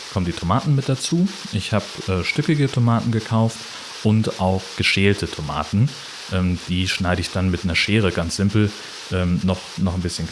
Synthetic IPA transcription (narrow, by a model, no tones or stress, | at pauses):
kʰɔməndiːtʰomaːtn̩mɪt̚d̥at͡suː | ʔɪçhaːbʔɛːʃtʏkɪɡətʰomaːtn̩ɡəkʰaʊft | ʔʊntʔaʊxɡ̥əʃeːltʰətʰoma̰ːtn̩ | ʔɛːmd̥iːʃnaɪɾəɪçd̥anmɪtnɐʃeːʁ̞əɡant͡sz̥ɪmpl̩ | ʔɛːmnɔχnɔχnbɪsçən